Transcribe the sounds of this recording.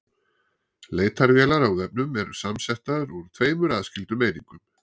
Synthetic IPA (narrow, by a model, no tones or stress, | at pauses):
leːjt̪aɾvjɛːlaɾawðɛp̚nʏmɛɾʏ̥samsɛht̪aðɾuɾt̪ʰveːjmʏɾaðscɪlt̪ʏmeːjnḭŋkʏm